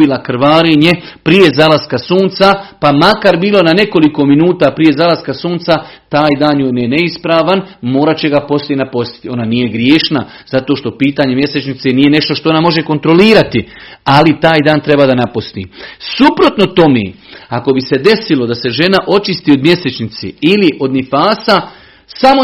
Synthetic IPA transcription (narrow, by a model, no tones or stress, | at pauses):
ilakɾ̩ʋaːɾiɲe̞ | pɾije̞zalaskasuːnt̪sapamakaɾbiːlˠo̞nane̞ko̞liko̞minuːt̪apɾije̞zalaskasuːnt̪sat̪aːjd̪aːnjonene̞ispɾaːʋanmo̞ːɾat͡ɕe̞ɡapo̞slʲiejenapo̞st̪i̥t̪io̞nanije̞ɡɾjeːʃna | z̥at̪o̞ːʃt̪o̞piːt̪aːɲe̞mje̞set͡ʃnit̪se̞nije̞ne̞ʃt̪oʃt̪o̞onamo̞ʒe̞ko̞nt̪ɾo̞liːɾat̪ialit̪aːjd̪aːnt̪ɾe̞baːd̪anapost̪ḭːsupɾo̞t̪no̞t̪o̞mḛːako̞bise̞d̪e̞silo̞d̪ase̞ʒe̞naʔo̞t͡ʃist̪iːod̪mje̞se̞t͡ʃnit̪sḛiliʔo̞d̪nifaːsa | samo